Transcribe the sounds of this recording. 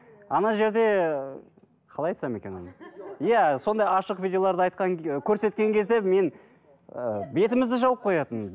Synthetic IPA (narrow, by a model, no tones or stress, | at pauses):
ɑnɑʒe̞ɾd̪e̞ | qʰɑlˠɑjt̪sɑme̞kʲe̞nɑnɑjæso̞nd̪ɑjɑʃəqvʲijd̪ʲeo̞lˠɑɾd̪əɑjt̪̚qɑŋkʲʰɵɾse̞t̪̚kʲe̞ŋkʲʰe̞zd̪e̞me̞n | be̞t̪ɪmɪzd̪ɪʒɑwəp̚qʰo̞jɑt̪ən